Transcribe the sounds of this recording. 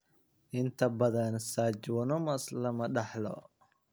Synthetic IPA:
ʔɪnt̪ʰɐbɐðɐnsaːd͡ʒwɔnɔmɐslɐmɐɗɑħlɔ̰

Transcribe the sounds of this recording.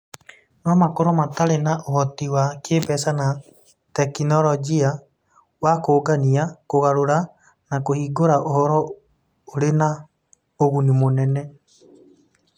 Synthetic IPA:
nɔmakoɾomataɾenaʔohɔtiwakeːbɛsana | tɛkinɔlɔɡia | wakoːɡaniakoɣaɾoɾa | nakohiːɡoɾaʔohɔɾɔ | oɾena | oɣunimonɛnɛ

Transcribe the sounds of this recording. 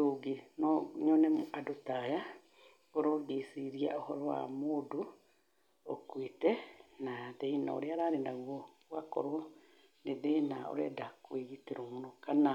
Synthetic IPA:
oɡinɲɔnɛmoʔadotaja | oɾoɡesiɾia̰ohɔɾɔwa̰modo | okwitɛnaðeina̰o̰ɾeaɾaɾenaɣwɔ | wakɔ̰ɾo | neðenao̰ɾɛ̰dakweɣiteɾomunɔkana

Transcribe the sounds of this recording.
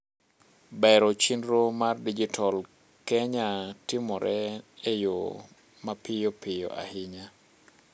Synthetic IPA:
bɛɾɔt͡ʃinɾomardid͡ʒitʰɔl | kɛɲatɪmɔɾʔɛejo̰ | mapɪjopɪjo̰ʔa̰hɪɲa

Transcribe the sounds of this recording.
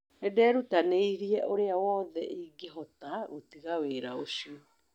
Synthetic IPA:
ɛdɛːɾutaneiɾiɛʔoɾeawɔːðɛʔiɡeɦɔtaɣotiɣaweɾaoɕio

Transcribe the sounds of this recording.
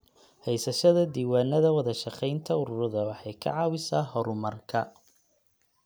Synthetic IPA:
hɛjsɐʃɐðɐd̪iːwaːnɐðɐwɑðɐʃɑqɛjnt̪ʰɐʊɾʊɾɪðɐwɑħɑjkʰɐ̰ʕɑːwɪsaːhɔɾʊmɐrkʰɐ

